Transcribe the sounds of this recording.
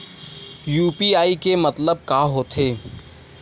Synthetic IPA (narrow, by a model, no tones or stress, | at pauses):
juːpiaːikemɐt̪ləb̚kaːɦoːt̪ʰeː